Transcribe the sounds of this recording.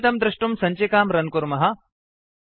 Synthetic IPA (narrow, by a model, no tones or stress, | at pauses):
t̪ɐmd̪ɾɪʂʈumsɐɲt͡ʃekaːmɾɐnkuɾmɐɦɐ̆